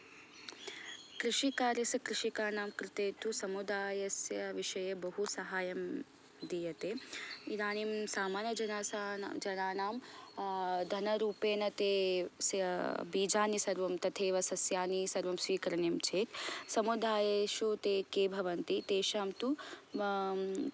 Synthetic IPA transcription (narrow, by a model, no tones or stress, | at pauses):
kɾɪʃikaːɾjɐsɐkɾɪʃikaːnaːmkɾɪt̪eːt̪usɐmud̪aːjɐsjɐʋiʃɐjɐbɐɦusɐɦaːjɐm | d̪iːjɐt̪eːid̪aːnimsaːmaːnɐd͡ʒɐnaːsad͡ʒɐnaːnaːm | d̪ʱɐnɐɾuːpeːnɐt̪eːsjɐbiːd͡ʒaːnisɐɾʋɐmt̪ɐt̪ʰeːʋɐsɐsjaːnisɐɾʋɐmsʋiːkɐɾɐneːmt͡ʃʰeːt̪sɐmud̪aːjɐʃut̪eːkeːbʱɐʋɐnt̪it̪eːʃaːmt̪u